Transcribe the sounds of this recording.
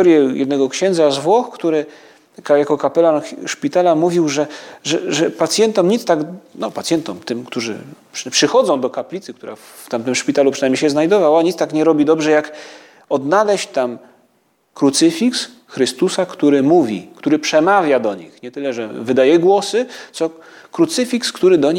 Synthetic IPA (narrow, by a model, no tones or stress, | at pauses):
ɔɾjɛjɛ̰d̪nɛɡɔkɕɛnd̪zazvwɔxkt̪uɾɘ | kajakɔkapɛlanʂpʲit̪alamuvʲiwʐɛʐɛʐɛpat̪sʲjɛnt̪ɔmɲit̪st̪aɡnɔpat̪sʲjɛnt̪ɔmt̪ɘmkt̪uʐɘ̰pʂpʂɘxɔd̪zɔ̃w̃d̪ɔkaplʲit̪sɘkt̪uɾa̰ | t̪amt̪ɘmʂpʲit̪alupʂɨnajmɲejɕɛznajd̪ɔvawaɲit̪st̪akɲɛɾɔbʲid̪ɔbʐɛjak | ɔd̪nalɛɕt͡ɕt̪am | kɾut̪sɘfʲiks | xɾɘst̪usakt̪uɾɘmuvʲḭkt̪uɾɘpʂɛmavʲjad̪ɔɲḭxɲɛt̪ɘlɛʐɛvɘd̪ajɛɡwɔsɘt̪sɔ | kɾut̪sɘfʲikskt̪uɾɘd̪ɔɲ